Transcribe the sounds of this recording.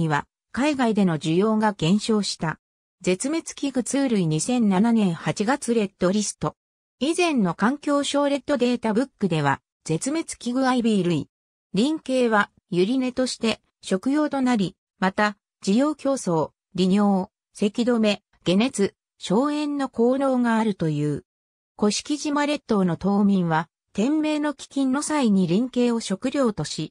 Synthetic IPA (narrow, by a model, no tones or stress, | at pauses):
iβa | kaiɡaid̪e̞no̞d͡ʑɨjo̞ːɡaɡ̥ẽ̞ɰ̃ɕo̞ːɕi̥t̪a | d͡ze̞t͡sɨme̞t͡sɨ̥kʲiɡɯ̟t͡sɨːɾɯ̟iɲ̟isẽ̞nnananẽ̞ɰ̃hat͡ɕiɡat͡sɨɾe̞t̪ːo̞ɾʲisɨ̥t̪o̞ | izẽ̞nːo̞kãŋkʲo̞ːɕo̞ːɾe̞t̪ːo̞d̪e̞ːt̪abɯ̟kːɯ̟d̪e̞βa̰ | z̥e̞t͡sɨme̞t͡sɨ̥kʲiɡɯ̟aibʲiɾɯ̟i | ɾʲĩŋke̞ːβa | jɯ̟ɾʲine̞t̪o̞ɕi̥t̪e̞ | ɕo̞kɯ̟jo̞ːt̪o̞naɾʲi | mat̪a | d͡ʑijo̞ːkʲo̞ːso̞ː | ɾʲiɲo̞ː | se̞kʲid̪o̞me̞ | ɡ̥e̞ne̞t͡sɨ | ɕo̞ːẽ̞nːo̞ko̞ːɾo̞ːŋaːɾɯ̟t̪o̞jɯ̟ː | ko̞ɕi̥kʲiʑimaɾe̞t̪ːono̞t̪o̞ːmʲĩɰ̃βa | t̪ẽ̞mːe̞ːno̞kʲi̥kʲĩnːo̞saiɲ̟iɾʲĩŋke̞ːo̞ɕo̞kɯ̟ɾʲo̞ːt̪o̞ɕi